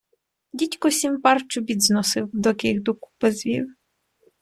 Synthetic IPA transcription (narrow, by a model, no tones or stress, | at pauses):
dʲitʲkɔsʲimpɑrt͡ʃʊbʲid̪znɔsɪwd̪ɔkɪɣd̪uku̥pezʋʲḭw